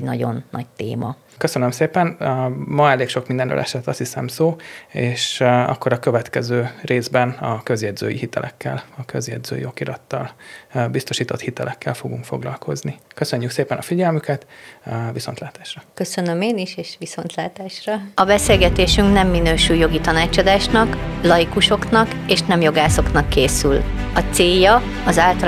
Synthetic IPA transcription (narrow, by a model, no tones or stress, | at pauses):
nɒɟo̞̰nːɒ̰ɟt̪ḛːmɒ̰ | kø̞sønømseːpɛnmɒɛleːkʃo̞kmind̪ɛnɾø̰ːlʔɛ̰ʃɛt̪ːɒst̪hisɛ̰msoːeːʃɒ̰kːo̞ɾɒkø̞vɛt̪kɛzøːreːzbɛnɒkø̞zjɛd̪zø̰ːjihit̪ɛ̰lʔɛkːɛ̰lɒkø̞zjɛd̪zø̰ːjo̞kiɾɒt̪ːɒlbist̪o̞ʃiːt̪o̞t̪hit̪ɛlʔɛkːɛlfo̞ɡuŋkfo̞ɡlɒlkʰo̞znikøsøɲːykseːpɛnɒfiɟɛlmykɛt̪viso̞nt̪laːt̪aːʃrɒkø̞sønømeːniʃeːʃʋiso̞nt̪laːt̪aːʃrɒɒbɛseːlɡɛt̪eːʃyŋknɛmːinøːʃujo̞ɡit̪ɒnaːt͡ʃɒd̪aːʃnɒklɒjikuʃo̞knɒkeːʃnɛmjo̞ɡaːso̞knɒkːeːsylɒt̪seːjːɒ | ɒzaːlt̪ɒ